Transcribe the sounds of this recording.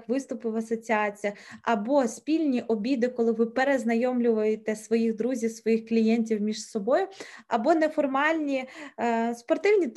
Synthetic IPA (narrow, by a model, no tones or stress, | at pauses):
kʋɪst̪ʊpɪwɐsɔt͡sʲiɑt͡sʲijɐɐbɔsʲpʲilʲnʲiʔɔbʲid̪ɪkɔlˠɪʋɪpeɾeznɐjɔmlʲʊʋɐjet̪ɛsʋɔjiɣd̪ɾuzʲiwsʋɔjixklʲijɛnʲtʲiwmʲiʃsɔbɔjʊɐbɔnɛfɔrmɑlʲnʲi | spɔrt̪ɪwnʲi